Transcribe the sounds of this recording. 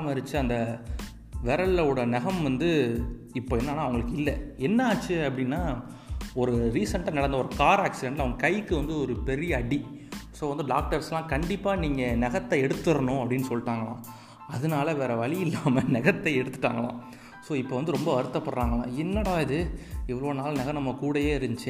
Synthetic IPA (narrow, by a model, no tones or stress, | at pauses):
mɐɾɯt͡ʃːɯɐnd̪ɐ | ʋɛɾɐɭɐɯɽɐnɛɣɐmʋɐnd̪ɯ | ɪpːoːɛnːaːnaːɐʋɐŋɡɐɭɯkːɪlːɐɛnːɐaːt͡ʃːɯɐpːɐɽɪnːaː | ɔɾɯɾiːsɐɳʈlɐnɐɽɐnd̪ɐɔɾɯkaːɾaːksɪɖɛɳʈlɐʋɐŋɡɐkɐjkːɯʋɐnd̪ɯɔɾɯpɛɾɪjɐɐɽi | soːʋɐnd̪ɯɖa̰ːk̚ʈɐɾslãːkɐɳɖɪpːaːniːŋɡɐnɛɣɐt̪ːɐɛɽɯt̪ːɯɾɐɳʊ̃ɐpːɐɽɪnːɯsɔlːʈːaːŋɡɐɭã̰ː | ɐðɯnaːlɐʋeːɾɐʋɐɭɪjɪlːaːmɐnɛɣɐt̪ːɐɛɽɯt̪ːɯʈːa̰ːŋɡɐɭã̰ː | soːɪpːoːʋɐnd̪ɯɾɔmbɐʋɐɾɯt̪ːɐpːɐɽɾaːŋɡɐɭã̰ːɛnːɐɽaːɐðɯɛʋːɐɭoːnaːlnɛɣɐmnɐmːɐkuːɽɐjeːɪɾɯd͡ʒt͡ʃːɯ